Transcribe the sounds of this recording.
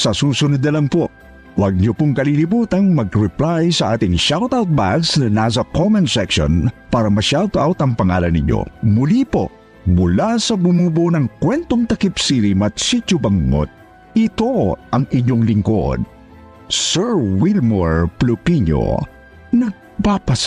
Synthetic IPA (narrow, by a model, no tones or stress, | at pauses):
sɐsuːsʊnʊd̪ɐlɐŋpo | wɐɡ̚ɲopʊŋkɐlilibuːt̪ɐŋmɐɡɹɛplajsɐʔaːt̪ɪŋʃawt̪awt̪̚baɡsnɐnas̬ɐkomɛnsɛkʃo̰npaːɾɐmɐʃawd̪ʔawt̪ɐŋpɐŋaːlɐnːɪ̰ɲo̰mʊlipo̰ | mʊlasɐbʊmubunɐŋkwɛnt̪oŋt̪ɐkipsiɾimɐt̪sit͡ʃʊbɐŋmo̰t̪̚ | ɪt̪oʔɐŋɪɲoŋlɪŋko̰d̪̚ | sɛɹwilmoɹplʊpiɲo̰ | nɐɡ̚papɐs